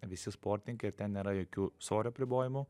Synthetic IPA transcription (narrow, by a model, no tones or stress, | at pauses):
ʋʲɪsʲɪspoːɾʲt̪ʲɪŋʲkɐɪɪɾt̪ʲɛnnʲeːɾɐjoːkʲuːsoːɾʲʊɐpʲɾʲɪboːjɪmʊ